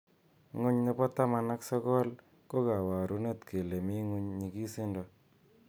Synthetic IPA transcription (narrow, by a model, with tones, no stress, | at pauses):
ŋʊ˦ɲne˦bɔ˦ta˦ma˨na˦ksɔ˦kɔ˦l | ko˦ka˨wa˨ɾu˦ne˦tke˨le˨mi˦ŋu˦ɲɲi˨ɡi˦sɪ˦ndɔ˨